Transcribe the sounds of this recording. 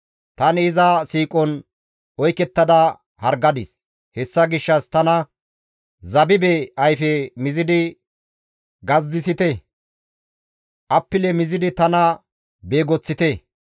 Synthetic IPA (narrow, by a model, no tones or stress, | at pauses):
t̪ɐnɪzɐsiːkʼɔn | ɔjkɛt̪ːɐd̪ɐ | hɐɾɡɐd̪ɪs | hɛsːɐɡɪʃːɐst̪ɐnɐ | zɐbɪbɛɐjfɛmɪzɪd̪ɪ | ɡɐzd̪ɪsɪt̪ɛ | ʔɐpːɪlɛmɪzɪd̪ɪt̪ɐnɐ | beːɡɔt͡sːɪt̪ɛ